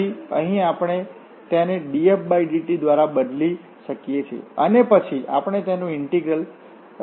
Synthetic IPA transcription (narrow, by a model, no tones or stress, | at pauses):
iə̰̃ɦĩapɽ̃e | t̪janeɖiefbajd͡ʒiʈid̪ʋaɾabəd̪li | ʃəkjet͡ʃʰḛənepət͡ʃʰia̰pəɳ̃et̪janũɪɳʈiɡɾəl